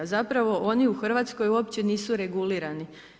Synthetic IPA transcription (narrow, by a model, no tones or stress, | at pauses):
zapɾaʋo̞ʔo̞niuxr̩ʋat̪sko̞juopt͡ɕe̞niːsuɾe̞ɡuliːɾani